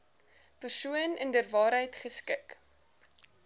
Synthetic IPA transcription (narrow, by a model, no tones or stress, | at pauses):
pərsuənəndərvɑːɾɦəjtχəskɪk